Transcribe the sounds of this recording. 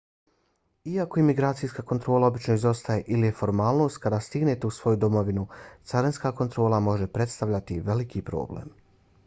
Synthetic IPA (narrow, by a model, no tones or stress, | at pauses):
iako̞imiɡɾaːt̪sijskako̞nt̪ɾo̞ːlˠao̞bit͡ʃno̞izo̞st̪aje̞ʔilije̞fo̞ɾmaːlˠno̞st̪̚kad̪aːst̪iɡne̞t̪e̞usʋo̞jud̪o̞mo̞ʋinut̪saɾenskaːko̞nt̪ɾo̞ːlˠamo̞ʒe̞pɾe̞t̪st̪aʋʎat̪iʋe̞likipɾo̞̰ːblḛm